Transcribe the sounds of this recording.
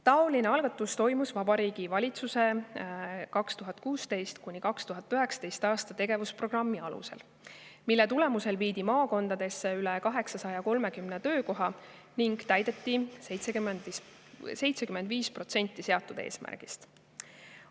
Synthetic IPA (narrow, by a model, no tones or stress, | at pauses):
t̪ɑo̞lineɑlɡ̥ɑt̪ːˑust̪o̞jmusvɑb̥ɑɾiːɡ̥ivɑlʲit̪suse̞ | kɑkst̪uɦɑt̪̚ˑkuːst̪e̞jst̪kunʲikɑkst̪uɦɑt̪ːˑyɦɛksɑ̥t̪e̞jst̪ɑːst̪ɑt̪e̞ɡe̞vuspro̞ɡ̥rɑmːiɑlṵse̞̰l | milːɛt̪ule̞muse̞lviːd̪̥imɑːko̞nd̪̥ɑd̪̥e̞sːeylɛkɑɦe̞ksɑsɑjɑko̞lme̞kymnet̪ø̞ːko̞ɦɑ | niŋɡ̥t̪æjd̪e̞t̪ːˑise̞jt̪sekymend̪i | se̞jt̪sekyme̞nd̪viːspro̞t̪se̞nʲt̪ːˑise̞ɑt̪ˑːud̪ḛːsmæ̰rɡ̥ḭst̪